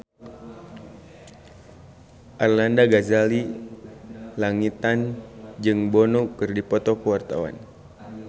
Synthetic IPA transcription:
ʔarlandaɡazali | laŋit̪and͡ʒɨŋbɔnukɨrdipɔt̪ɔkəwart̪awa̰n

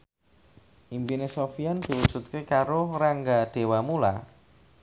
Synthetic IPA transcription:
ʔimpinesofiand̪̥i̤wud̥ʒ̥ṳt̪̚kekaɾʊraŋɡaɖ̥e̤wamula̰

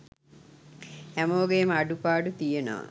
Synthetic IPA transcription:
æmoːɡejemaɖupaːɖut̪ijeno̰ʋa̰

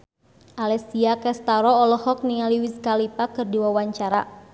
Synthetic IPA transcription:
ʔalɛsiakɛst̪aɾɔːlɔhɔk̚niŋaliwiskalipakɨrdiwawaɲt͡ʃaɾa

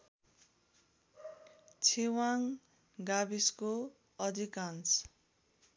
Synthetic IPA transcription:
t͡sʰiwaŋ | ɡabisko | ʌd̪ʱikans

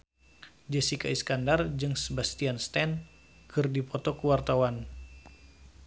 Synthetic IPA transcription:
d͡ʒəsikaiskandard͡ʒɨŋsəbast̪ianst̪ɛn | kʰɨrdipɔt̪ɔkəwart̪awan

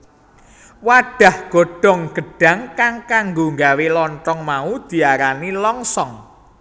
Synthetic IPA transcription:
waɖ̥a̤hɡ̥o̤ɖ̥ɔ̤ŋɡ̥ə̤ɖ̥a̤ŋkaŋkaŋɡoŋɡawelɔntɔŋmaud̪̥i̤aɾanilɔŋsɔŋ

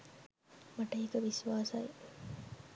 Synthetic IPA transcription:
mɐʈɐikəʋisʋaːsɐji

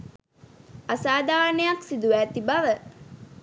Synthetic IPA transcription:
asaːd̪aːɾnəjaksid̪uʋæːt̪ibaʋə

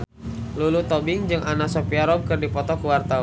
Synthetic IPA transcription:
lulut̪ɔbɪŋd͡ʒɨŋʔanasɔpiaɾɔmkɨrdipɔt̪ɔkuwart̪awa

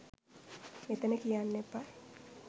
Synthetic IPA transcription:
met̪ənəkijanːepa

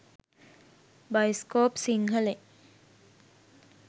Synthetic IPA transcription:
bajskoːpsiŋɦəle

